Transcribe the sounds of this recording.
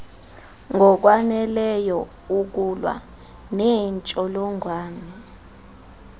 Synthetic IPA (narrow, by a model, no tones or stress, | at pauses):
ŋɡʱɔk̬wanɛlɛjɔ | uk̬ulwa̰ | nɛnt͡ʃʼɔlɔŋʱwaːnɛ